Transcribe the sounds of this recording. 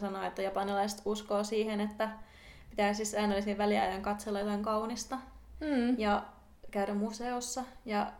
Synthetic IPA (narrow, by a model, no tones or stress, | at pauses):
sɑnoet̪ːæjɑpɑnilɑist̪uskoːsiːhenet̪ːæ | pit̪æisisːæinolːisiʋʋæliæ̰jʋæŋkɑt̪selːɑjot̪ɑŋkɑunist̪ɑ | jɑ | kæyɾæmmuseosːɑjɑ